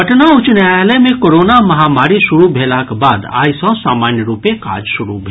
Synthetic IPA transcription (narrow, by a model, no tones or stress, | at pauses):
əʈnaʊt͡ʃnajlemẽkoːɾoːnamɐɦamaːɾiʃʊɾubʱeːlakbaːd̪a̰ːisɔ̃saːmaːnjəɾuːpẽka̰ːd͡ʒʃʊɾṵbʱe